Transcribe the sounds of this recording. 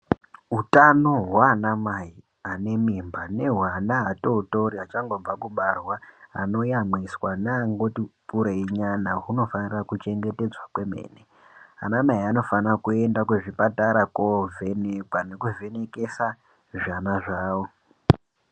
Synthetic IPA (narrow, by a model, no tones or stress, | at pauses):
ɦutanoɦwaːnamai | ane̞mimbane̞ɦwanaːto̞uto̞ɾiat͡ʃaŋɡo̞vakuɓarwaa̰no̞jamiswanaaŋɡotipuɾeiɲanaɦuno̞fanirakut͡ʃe̞ŋɡe̞te̞d͡zwakwe̞me̞̰ːne | a̰namaiano̞fanrakue̞ndakweʐipataɾakove̞nekwane̞kuvʱe̞ne̞ke̞sa | ʐanaʐaːwo̞